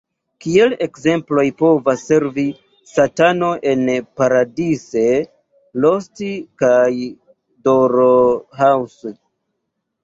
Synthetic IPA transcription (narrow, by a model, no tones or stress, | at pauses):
kie̞le̞kze̞mplo̞jpo̞vasːe̞ɾvi | satano̞ʔenpaɾadise̞ | lo̞stikaj | doɾoɦawso